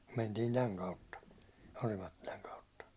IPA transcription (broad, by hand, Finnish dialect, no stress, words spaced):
mentiːn tæŋ kɑutːɑ orimɑtːilɑŋ kɑutːɑ